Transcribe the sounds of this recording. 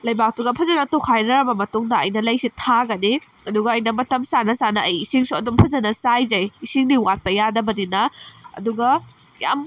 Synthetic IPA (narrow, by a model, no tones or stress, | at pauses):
lɐjbak̚tuɡɐpʰɐzɐnɐtokʰajɾɐɾɐbɐmɐtuŋdɐɐjnɐlɐjsitʰaɡɐni | ɐduɡɐːjnɐmɐtɐmsanɐsanɐːjisiŋsuɐdumpʰɐzɐnɐsajzɐjisiŋniwat̚pɐjadɐbɐdinɐɐ̰duɡɐja̰m